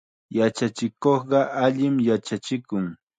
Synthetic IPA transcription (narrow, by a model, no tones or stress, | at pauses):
jat͡ʃat͡ʃɪkoχɢɑʔaʎɪmjat͡ʃat͡ʃɪkʊŋ